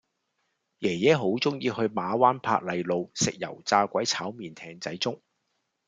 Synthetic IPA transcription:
jɛː˨˩jɛː˨˥ɦo˨˥wt͡sʊ˥ŋjiː˧hɵ˧ɥmaː˨˧waː˥npʰa̰ː˧k̚lɐ˨˧jlo˨˧wsɪ˨k̚jɐ̰˨˩wt͡saː˧kʷɐ˨˥jt͡sʰaː˨˥wmiː˨nt̪ʰɛː˧˩ŋt͡sɐ˨˥jt͡sʊ˥ŋ

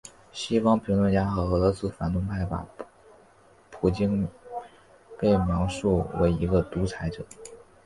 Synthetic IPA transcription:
ɕi˥fɑ˥ŋpʰi˧˥ŋlwə˥˩nt͡ɕja˥xɤ˧˥ɤ˧˥lɤ˧˥sɹ̩˥fa̰˨˩nt̪ʊ˥˧ŋpʰa˥˩ɪpa̰˨˩ | pʰu˨˩t͡ɕi˥n | pe˥˩ɪmjɑ˧˥ŋʂu˥˩wḛ˧˥ɪi˧˥ɡə˧t̪u˧˥t͡sʰa˧˥ɪʈ͡ʂɤ˨˩˦

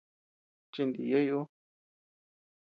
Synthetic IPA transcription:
t͡ʃi˧nd̪ḭ˨je˦juu˦

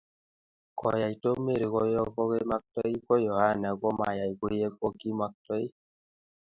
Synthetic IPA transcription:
kɔ̰˨ja˨jto˦kme˦˨ɾi˨kɔ˦jɔ˦kɔ˦ke˦ma˦k̚tɔ˦i˦kɔ˦jɔ˨ha˦nɛ˨kɔ˦ma̰˨ja˨jko˦je˦k̚ɔ˦ki˦ma˦k̚tɔ˦i˦

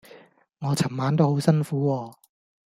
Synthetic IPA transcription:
ŋɔː˨˧t͡sʰɐ˨˩mmaː˨˥nt̪̬o˥who˨˥wsɐ˥nfuː˨˥wɔː˧

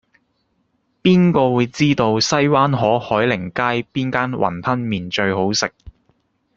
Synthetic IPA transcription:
piː˥nkɔː˧wuː˨˧jt͡siː˥t̪o˧wsɐ˥jwaː˥nɦɔː˨˥hɔː˨˥jlɪ˨˩ŋkaː˥jpiː˥nkaː˥nwʔɐ̰˨˩npʰɐ˥nmiː˨nt͡ʃɵ˧ɥho˨˥wsɪ˨k̚

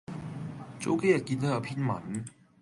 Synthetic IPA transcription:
t͡so̰˨˥wke˥jɐ˨t̚ki˧nt̪o˥jɐ˨˧˩wpʰiː˥nmɐ̰˨˩n

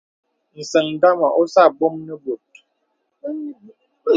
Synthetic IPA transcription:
n̩˨sə˨ŋ˨da˦ma˨ʔo˦sa˦˨bo˦mnə˦bo˨t̚

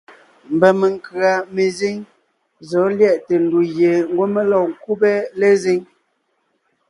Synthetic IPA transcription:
m̩˨bɛ˨me˨ŋ˨kɰa˨me˨zi˦ŋ | zɔ˨˦ljɛ˦˨ʔte˨n̩˨du˨ɣje˨ŋ̩˦ɡwo˦me˦lɔ˦˨ŋ˨ku˦bɛ˦le˦zi˦ŋ

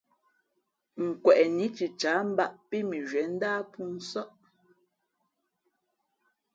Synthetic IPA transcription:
ŋ̩˨kwɛ˨ʔni˨˦t͡ʃi˨t͡ʃa˨˦m̩˦ba˦˨ʔpi˦mi˨ʒɥɛ˨˦n̩˦daː˦pu˦n̩˦sɔ˦ʔ

